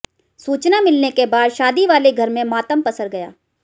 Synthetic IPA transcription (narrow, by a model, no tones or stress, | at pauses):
suːt͡ʃnamɪlnekebaːd̪ʃaːd̪iʋaːleɡʱɐɾmẽmaːt̪əmpɐsəɾɡɐja̰ː